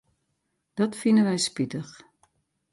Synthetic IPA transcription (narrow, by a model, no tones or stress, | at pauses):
d̥ɔtfinənʋɛjspitəx